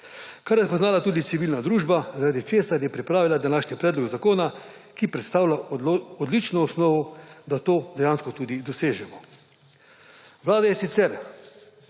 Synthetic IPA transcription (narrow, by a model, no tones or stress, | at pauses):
kaɾjɛspɔznaːlat̪uːd̪it̪iʋiːlnad̪ɾuːʒbazaɾaːd̪it͡ʃeːsaɾjɛpɾipɾaːʋilad̪anaːʃnipɾɛːd̪lɔɡzakoːna | kipɾɛt̪st̪aːwlʲaɔd̪lit͡ʃnɔɔsnɔːʋɔd̪at̪oːd̪ɛjaːnskɔt̪uːd̪id̪ɔseːʒɛmɔ | ʋlaːd̪ajɛsit̪sɛɾ